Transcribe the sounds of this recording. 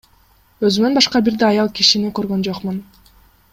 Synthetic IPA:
øzymønbɑʃqɑbiɾd̪eɑjɑlˠkiʃinikø̞ɾɡø̞nd͡ʒo̞qmun

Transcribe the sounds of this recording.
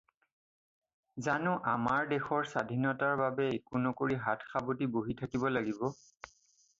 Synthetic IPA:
zanʊʔamaɹdexɔɹsadʱinɔtaɹbabɛekunɔkoɹiɦatʰxʰabotiboɦitʰakibɔlaɡibɔ

